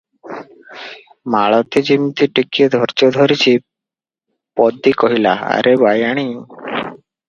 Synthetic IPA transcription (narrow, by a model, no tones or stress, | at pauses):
maɭɔt̪ed͡ʑimit̪iʈikied̪ʱɔɾt͡ʃɔd̪ʱɔɾit͡ɕʰi | pɔd̪ːikɔɦilaa̰ɾʔebajaɽ̃i